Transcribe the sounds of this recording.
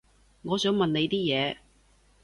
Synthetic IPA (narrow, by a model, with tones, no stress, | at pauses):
ŋɔː˨˧sœː˨˧˥ŋmɐ˨ne˨˧jt̪iː˥jɛː˨˧